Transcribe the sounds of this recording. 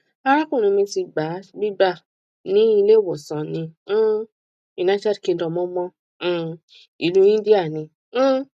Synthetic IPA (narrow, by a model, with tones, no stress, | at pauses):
a˧˦ɾa˦kũ˦˨ĩ˨˧mĩ˧ti˧ɡ͡ba˨˦bi˦ba˦˨ | nĩ˦i˦˧le˦˨wɔ˨sã˨nĩ˧˦ | i˨nã˨˧˦ta˦lkĩ˧˦dɔ̃˧˨mɔ̃˦mɔ̃˦˨ | i˨lu˦ĩ˦di˦a˦˨nĩ˧˦